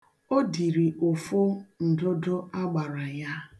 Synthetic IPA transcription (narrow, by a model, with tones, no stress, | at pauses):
o˦di˨ɾi˨ʔo˨fo˦n̩˨dʊ˦dʊ˦a˦ɡ͡ba˨ɾa˨ja˦